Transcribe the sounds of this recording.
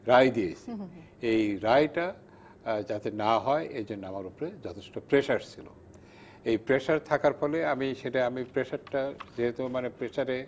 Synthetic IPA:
ɾajd̪ijet͡ɕʰi | ejɾajʈa | d͡ʑat̪enaɦɔeʔed͡ʑonːoamaɾupoɾed͡ʑɔt̪ʰe̥ʃʈopɾeʃaɾt͡ɕʰilo̰ | ejpɾeʃaɾt̪ʰakaɾfɔleamiʃeʈaamipɾeʃaɾʈad͡ʑeɦet̪omanepɾeʃaɾe

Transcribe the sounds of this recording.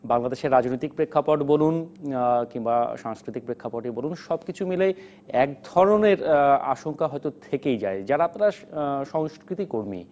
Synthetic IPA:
baŋlad̪eʃeɾːad͡ʑnojt̪ik̚pɾekʰːapoʈbolunkiŋbaʃaŋskɾit̪ik̚pɾekʰːapoʈibolunʃɔbkit͡ɕʰumile | ɛk̚d̪ʱɔɾoneɾa̰ʃoŋkaɦɔjt̪ot̪ʰekejd͡ʑaed͡ʑaɾaap̚naɾaʃɔŋskɾit̪ikoɾmḭ

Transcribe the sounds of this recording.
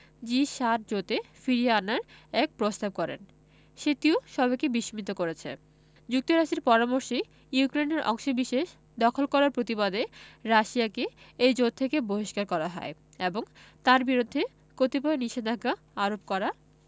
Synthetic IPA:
d͡ʑiʃat̪̚d͡ʑot̪efiɾiaanaɾɛk̚pɾost̪ab̚kɔɾḛn | ʃet̪ioʃɔbʱajkebiʃimit̪okoɾet͡ɕʰḛ | d͡ʑuk̚t̪oɾaʃtiɾpɔɾamoɾʃi | jukɾeneɾʔɔ̰ŋʃobiʃeʃ | d̪ɔkʰolkɔɾaɾpɾot̪ibad̪eɾaʃiakeejd͡ʑot̪̚t̪ʰːekeboɦiʃkaɾkɔɾaɦɔe | eboŋt̪aɾbiɾud̪ʱːe | kot̪ipɔeniʃed̪ʱakːa | aɾob̚kɔɾa

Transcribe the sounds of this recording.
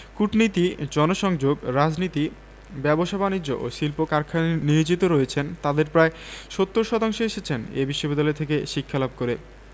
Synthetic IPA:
kuʈnit̪id͡ʑɔnoʃɔŋd͡ʑoɡɾad͡ʑnit̪i | bɛboʃabanid͡ʑːoʔoʃilpokaɾkʰaniod͡ʑit̪oɾoet͡ɕʰent̪ad̪eɾpɾaeʃot̪ːoɾʃɔt̪aŋʃoeʃet͡ɕʰenḛbiʃːobid̪ːaleɾt̪ʰekeʃikʰːalab̚koɾe

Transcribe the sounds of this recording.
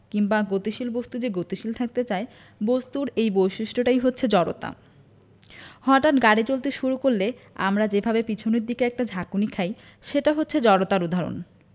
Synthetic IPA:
kiŋbaɡot̪iʃilbost̪ud͡ʑeɡot̪iʃilt̪ʰak̚t̪et͡ɕae | bost̪uɾejbojʃiʃʈʰoʈajɦotːʰed͡ʑɔɽo̰t̪a̰ | hɔʈaʈɡaɽit͡ɕolt̪eʃuɾukoɾlea̰mɾad͡ʑebʱabepit͡ɕʰoneɾd̪ikeɛk̚ʈad͡ʑʱakunikʰaj | ʃeʈaɦotːɕʰed͡ʑɔɾot̪aɾud̪ʱaɾo̰n

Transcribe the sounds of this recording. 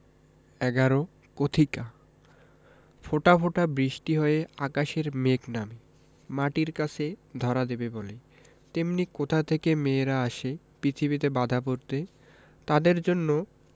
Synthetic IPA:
ɛɡaɾo | kot̪ʰika | foʈafʰoʈabɾiʃʈiɦɔeakaʃeɾmekname | maʈiɾkat͡ɕʰed̪ʱɔɾad̪ebebole | t̪emnikot̪ʰat̪ʰekemeɾaaʃepɾit̪ʰibit̪̬ebad̪ʱapoɾt̪e | t̪ad̪eɾd͡ʑonːo

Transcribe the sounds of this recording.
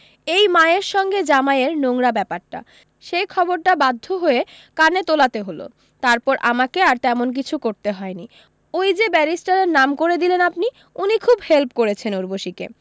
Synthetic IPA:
ejmaeɾʃɔŋɡed͡ʑamaeɾnoŋɾabɛpaɾʈa̰ | ʃejkʰɔboɾʈabad̪ʱːoɦoe | kanet̪olat̪eɦolo̰ | t̪aɾpɔɾʔa̰makeaɾt̪ɛmonk̬it͡ɕʰukoɾt̪eɦɔeni | ojd͡ʑebɛɾisʈaɾeɾnamkoɾed̪ilenapni | unikʰubhelpkoɾet͡ɕʰenuɾboʃikḛ

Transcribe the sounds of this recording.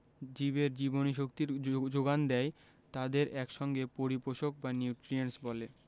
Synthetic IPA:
d͡ʑiβeɾd͡ʑiboniʃ̬ok̚t̪iɾd͡ʑoɡand̪ɛe | t̪ad̪eɾɛkʃɔŋɡepoɾipoʃok̚banjuwʈɾiensbɔle

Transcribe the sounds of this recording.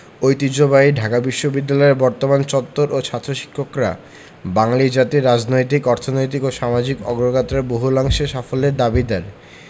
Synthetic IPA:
ojt̪id͡ʑobaiɖʱakabiʃːobid̪ːalɔeɾbɔɾt̪omant͡ɕɔt̪ːoɾʔot͡ɕʰat̪ːɾoʃi̥kʰːokɾa̰ | baŋaliɾd͡ʑat̪iɾad͡ʑnojt̪̬ikɔɾt̪ʰonojt̪̬ikoʃamad͡ʑikɔ̰ɡɾoɡat̪ɾaɾboɦulaŋʃeʃafoleɾd̪abid̪ɛɾ

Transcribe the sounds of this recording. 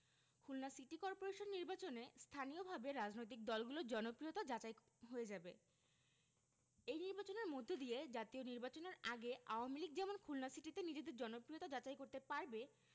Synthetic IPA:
kʰulnasiʈikɔɾpoɾeʃonːiɾbat͡ɕonest̪ʰanijobʱabeɾad͡ʑnojt̪̬ik̚d̪ɔlɡulod͡ʑɔnopɾiot̪ad͡ʑat͡ɕaj | ɦoed͡ʑabe | ejniɾbat͡ɕoneɾmod̪ʱːod̪ied͡ʑat̪ioniɾbat͡ɕoneɾaɡeaoamiliɡd͡ʑɛmonkʰulnasiʈit̪enid͡ʑed̪eɾd͡ʑɔnopɾiot̪ad͡ʑat͡ɕajkoɾt̪epaɾbe

